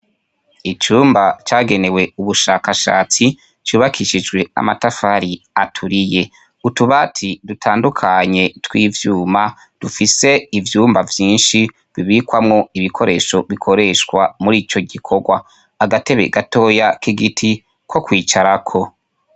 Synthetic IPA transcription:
it͡ʃuːmbat͡ʃaːɡe̞ne̞we̞uβuʃaːkaʃa̰ːt͡si | t͡ʃuːβakʰiʃid͡ʒɡwe̞a̰ma̰tafaːɾiatʰuɾije̞ | utuβatʰidutʰaːndukʰaɲe̞twiːvjuːma | d̥ufise̞ivjuːmbavjiːnʃi | βiβiːkwamŋo̞iβikʰo̞ɾʔe̞ʃo̞βikʰo̞ɾe̞ʃkwamuɾiːt͡ʃo̞ɡikʰo̞ɡwaː | ɡate̞βe̞̰ɡato̞ːjakiɡitʰi | kʰo̞kwiːt͡ʃaɾakʰo̞

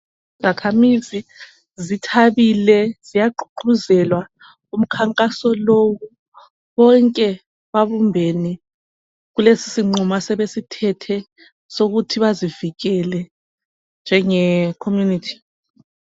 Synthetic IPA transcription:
izakʰamizi | zitʰaβilɛz̥ijaǃu̥ǃuzɛlwa | um̩kʰaŋkʼasɔlowu | βɔŋkʼɛ | βaβumbʱɛnɛ | ɣulesi̥siŋ͡ǃumasɛβesitʰɛtʰɛ | soɣutʰiβaziviɣɛlɛ | nd͡ʒʱɛŋɛkʰomjunitʰi̥

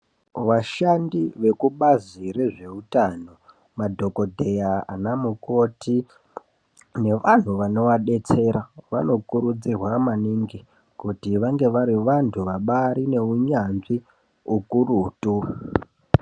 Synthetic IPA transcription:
ʋaʃandiʋe̞kuɓazire̞ʐe̞utano̞ | madʱo̞ko̞dʱe̞jaa̰namuko̞ti | ne̞ʋan̤uʋano̞ʋaɗe̞t͡se̞ɾaʋano̞kuɾud͡zirwamaniŋɡi | kutiʋaŋɡe̞ʋaɾiʋantʰuʋaɓaɾine̞uɲanʐi | ukuruːtu

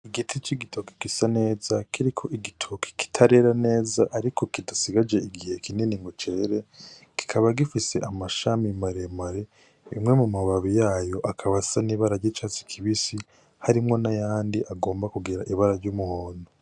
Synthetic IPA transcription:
iɡitʰit͡ʃiɡitoke̥kisane̞ːzakʰiɾikʰoʔiɡitʰokʰi̥ki̥tʰaɾe̞ɾane̞ːzaʔaɾikʰo̞kidasiɡad͡ʒe̞iɡihe̞kininiŋɡot͡ʃeɾe | ki̥kʰaβaɡifise̞ʔamaʃamimaɾemaɾe̞ | ḭmŋe̞mumaβaβijaːjo̞ʔakʰaβasaniβaɾaɾɟit͡ʃat͡si̥kʰiβisi | haɾimŋo̞najaːndiʔaɡo̞ːmbakuɡiɾaʔiβaɾaɾɟumuhoːno

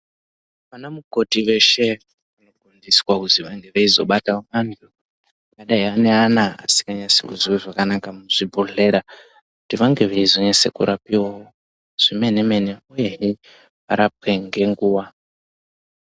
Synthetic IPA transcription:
ʋanamuko̞tiʋe̞ʃe̞ | ano̞ɡundiswakutiʋaŋɡe̞ʋeizo̞̰ɓatamantʰu | akaɗaiane̞anaa̰si̥kaɲasekuziweʐakanakamuʐ̥ibʱuɮe̞ɾa | kutiʋaŋɡe̞ʋeizo̞ɲasekṵɾʔapiwawo | ʐ̥ime̞ne̞me̞ne̞uje̞ɦi | ʋaɾap̚we̞ŋɡe̞ŋɡuːwa

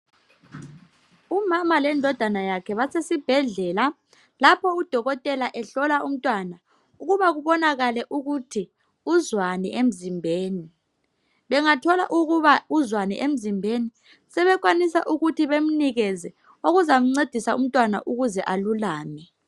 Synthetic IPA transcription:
umamalɛndʱɔd̥ʱanajakʰɛβasesib̥ʱɛɮɛːla | lapʰɔud̥ʱɔɣɔtʼɛlaʔɛɬɔlaum̩tʼwana | uɣuβaɣ̬uɓɔnaɣalɛʔuɣutʰi | uzwanɛʔem̩zimbʱeːni | ɓɛŋatʰɔla̰ʔuɣ̬uβauzwanɛ̰ʔem̩zimbʱeni | sɛβɛk̬ʼwanisa̰ʔuɣutʰiβem̩niɣɛzɛ | oɣuzamuŋ͡ǀed̥ʱisaṵm̩tʼwana̰ʔuɣuzɛʔalulaːmɛ

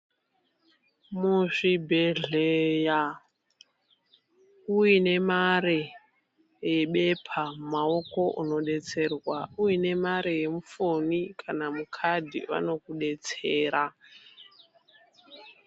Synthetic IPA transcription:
muʐibʱeɮeja | uine̞maɾe | je̞ɓe̞pʰamao̞ko̞ʔuno̞ɗe̞t͡se̞rwauine̞maɾejemufonikʰanamukʰadʱḭʋa̰no̞kuɗe̞t͡seːɾa

